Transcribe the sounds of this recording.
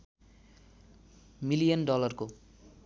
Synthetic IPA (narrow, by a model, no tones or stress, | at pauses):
milijʌnɖɔlɔɾko